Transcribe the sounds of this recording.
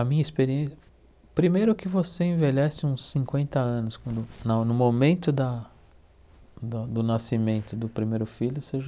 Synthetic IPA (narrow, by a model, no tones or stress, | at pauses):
ɐmĩɲɐispeɾiẽs | pɾimejɾʊkɪvoseẽveʎɛsɪũsːĩkwẽnt̪ɐɐ̃nʊskwɐ̃nd̪ʊnɐnʊmomẽnt̪ʊd̪ɐ | d̪ɐd̪ʊnasimẽnt̪ʊd̪ʊpɾimejɾʊfiʎʊseʒɐ